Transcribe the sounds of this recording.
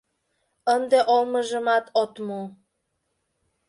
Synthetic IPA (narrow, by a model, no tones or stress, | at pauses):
ənd̪eʔolˠmɤ̆ʒɤ̆mɑt̪ʰot̪mu